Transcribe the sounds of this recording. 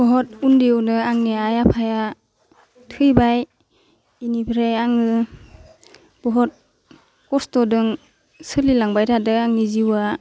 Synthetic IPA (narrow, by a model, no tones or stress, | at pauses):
b̥ɔɦɔt̚undiwnɯaŋneajapʰaja | tʰɯjbaj | inibʰɾejaŋɯ | b̥ɔɦɔt̚ | kɔstɔdɯŋ | sɯlilaŋbajtʰadɯaŋniziwa